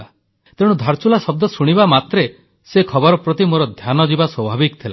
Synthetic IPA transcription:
a | t̪eɽ̃ud̪ʱaɾt͡ʃulasɔb̚d̪ɔsuɽ̃ibamat̪ɾe | sekʰɔbɔɾɔpɾɔt̪imoɾɔd̪ʱjanɔd͡ʒibaswɔbʱabikt̪ʰila

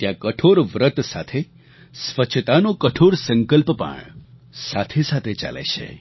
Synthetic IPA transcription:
t̪jãkəʈʰoɾʋɾət̪sa̰t̪ʰe | sʋət͡ʃʰt̪anokəʈʰoɾsə̃ŋkəlpəpə̰ɳ | sat̪ʰesat̪ʰet͡ʃa̰lḛt͡ʃʰḛ

